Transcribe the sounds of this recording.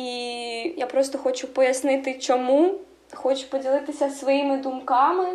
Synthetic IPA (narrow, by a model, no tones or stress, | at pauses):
ijapɾɔst̪ɔxɔt͡ʃʊpɔjɐsnɪt̪ɪt͡ʃɔmu | xɔt͡ʃʊ̥pɔdʲilˠɪt̪ɪsʲɐsʋɔjimɪd̪umkɑmɪ